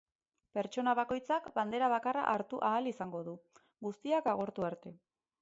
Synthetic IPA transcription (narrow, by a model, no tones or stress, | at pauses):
pe̞ɾt͡ʃo̞naβ̞ako̞jt͡sakband̪e̞ɾaβakara̰ʔaɾt̪uʔaːlisaŋɡo̞ð̞u | ɡust̪iakaɣ̞o̞ɾt̪uaɾt̪e̞